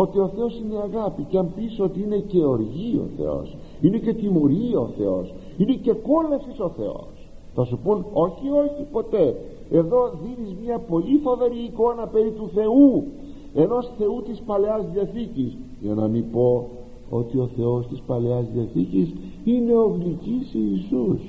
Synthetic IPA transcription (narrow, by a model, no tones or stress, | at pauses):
o̞t̪io̞θe̞o̞sineɐɣɐpiceɐmpiso̞t̪iine̞ce̞o̞ɾʝio̰θḛo̞̰s | ine̞ce̞t̪imo̞ɾiɐoθe̞̰o̞s | ine̞ce̞ko̞lɐsiso̞θe̞̰o̰s | θɐsupuno̞çio̞çipo̞t̪e̞ | e̞ðo̞ðinizmɲɐpo̞lifo̞ve̞ɾiːko̞nɐpeɾit̪uθe̞u | e̞no̞sθe̞ut̪ispɐle̞ɐzðiɐθicis | ʝɐnɐmipo̞ | o̞t̪io̞θe̞o̞st̪ispɐle̞ɐzðiɐθicis | ine̞o̞ɣlicisiisus